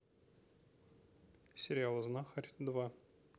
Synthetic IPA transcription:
sʲɪɾʲɪalˠəznaxaɾʲd̪va

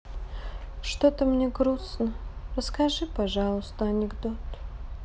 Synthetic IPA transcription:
ʂt̪ot̪əmnʲeɡɾusnərəskaʐɨpaʐalˠəst̪əɐnʲɪɡd̪ot̪

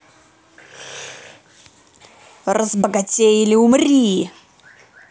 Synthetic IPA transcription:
rəzbəɡɐtʲejɪlʲɪʊmrʲi

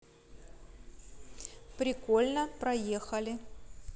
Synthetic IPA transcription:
pɾʲɪko̞lʲnəpɾɐjexɐlʲɪ

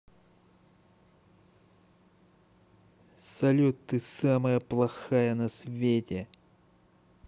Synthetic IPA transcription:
sɐlʲut̪ːɨsaməjəplˠɐxajənɐsvʲetʲe

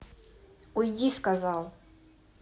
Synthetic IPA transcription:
ujdʲiskazɑlˠ

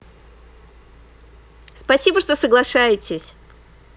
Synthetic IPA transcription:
spɐsʲibəʂt̪o̞səɡlˠɐʂajɪtʲɪsʲ

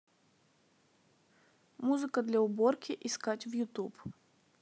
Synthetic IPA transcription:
muzɨkəd̪lʲɐʊborkʲɪʔɪskatʲvjʊt̪up

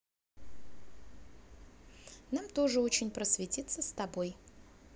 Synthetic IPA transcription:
namt̪o̞ʐɨo̞t͡ɕɪnʲpɾəsvʲɪtʲit̪səst̪ɐbo̞j

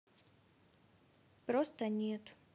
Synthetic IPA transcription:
pɾost̪ənʲet̪

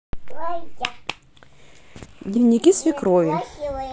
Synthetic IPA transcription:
dʲnʲɪvnʲɪkʲisvʲɪkɾovʲɪ

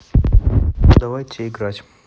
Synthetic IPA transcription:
d̪ɐvajtʲeɪɡɾatʲ

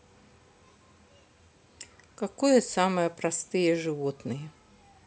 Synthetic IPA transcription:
kakɔjɐsamɐjɐpɾast̪ɨjɛʐɨvɔt̪nɨjɛ

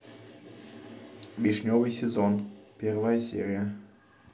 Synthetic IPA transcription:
vʲiʃnʲovɨjsʲezonpʲervajəsʲḛɾʲijə

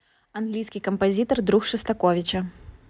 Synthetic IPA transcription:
ɐnɡlʲijsʲkʲijkɐmpɐzʲit̪ɐrd̪ɾuxʂɨst̪ɐkɔvʲɪt͡ɕɐ

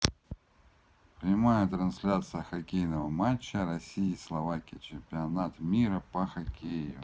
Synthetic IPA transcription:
pɾʲɪmajət̪ɾɐnsʲlʲat̪sɨjəxɐkʲejnəvəmat͡ɕːəɾɐsʲiɪslˠɐvakʲɪjt͡ɕɪmpʲɪɐnat̪mʲiɾəpəxɐkʲʰejʊ̰

